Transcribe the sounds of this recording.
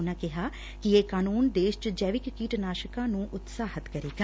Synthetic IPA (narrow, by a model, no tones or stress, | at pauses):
ʊnãːkɪɦaː | kɪeːkaːnuːnd̪eːʃt͡ʃd͡ʒɛːʋɪkːiːʈnaːʃəkãːnũːʔʊt̪saːɦət̪kəɾeːɡa